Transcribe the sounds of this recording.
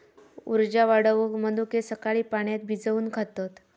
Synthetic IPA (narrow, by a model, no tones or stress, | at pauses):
uɾd͡ʑaʋaɽəʋukmənd̪ukesəkaɭiːpaɳ̃jat̪̚bʱid͡zəuːnkʰat̪at̪